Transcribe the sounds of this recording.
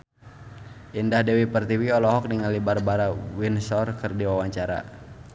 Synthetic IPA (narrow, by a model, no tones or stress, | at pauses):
ʔindahdɛwipərt̪iwiɔlɔɦɔk̚diŋalibarbaɾawinsɔrkərdiwawaɲt͡ʃaɾa̰